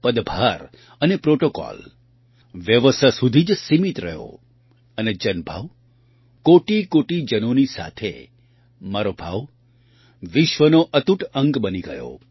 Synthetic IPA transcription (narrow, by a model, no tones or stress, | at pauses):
pəd̪bʱaɾ | ənepɾoʈokɔ̰l | ʋjəʋəsʰasud̪ʱid͡ʒsimit̪ɾə̰ɦjo̰ | əned͡ʒənbʱa̰ʋ | koʈikoʈid͡ʒənonisa̰t̪ʰḛ | maɾobʱa̰ʋ | ʋɪʃʋənoʔət̪uʈə̃ŋɡbəniɡə̰jo̰